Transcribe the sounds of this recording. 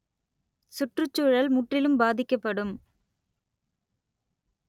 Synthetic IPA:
sʊʈrɯt͡ʃːuːɻɐlmʊʈrɪlɯmbaːðɪkːɐpːɐɽɯm

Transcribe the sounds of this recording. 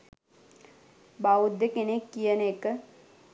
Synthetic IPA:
baud̪jəkenekːijənəekə

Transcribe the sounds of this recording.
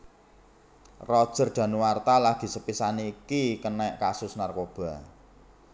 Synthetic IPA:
rɔd̥ʒ̥ə̤rɖ̪̥ä̤nuwart̪alaɡ̥i̤səpisaniːkikənɛʔkasʊsnarkob̥a̤

